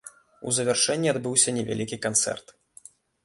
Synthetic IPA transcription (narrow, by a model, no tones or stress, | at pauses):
ṵzɐvʲɛrʂɛnʲːiad̪bɨwsʲɐnʲɛvʲa̰lʲikʲikant̪sɛ̰rt̪